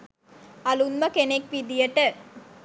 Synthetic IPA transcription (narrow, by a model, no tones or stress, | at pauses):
ɐlunmɐkenek̚ʋid̪ijɐʈːɐ